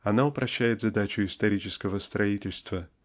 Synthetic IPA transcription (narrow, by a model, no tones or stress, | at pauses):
ɐnaʊpɾɐɕːæjɪt̪zɐd̪at͡ɕʊɪst̪ɐɾʲit͡ɕɪskəvəst̪ɾɐitʲɪlʲst̪və